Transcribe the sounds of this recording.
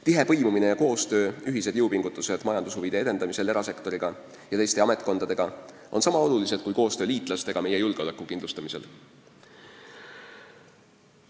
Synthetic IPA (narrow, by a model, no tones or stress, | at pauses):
t̪iɦe̞pɤ̞jmumine̞jɑko̞ːst̪ø̞ːyɦise̥jɤwpiŋɡ̥ut̪ːˑuse̞d̪̥mɑjɑnd̪ushuvid̪ee̞d̪e̞nd̪ɑmise̞leɾɑse̞kt̪o̞ɾiɡ̥ɑ | jɑt̪e̞jst̪eɑme̞t̪̚ˑko̞nd̪̥ɑd̪̥e̞ɡ̥ɑ | ʔo̞nsɑmɑo̞lulise̞d̪̥kujko̞ːst̪ø̞ːliːt̪ˑlɑst̪e̞ɡ̥ɑme̞jejulɡ̥eo̞lekːˑukind̪lust̪ɑmise̞̰l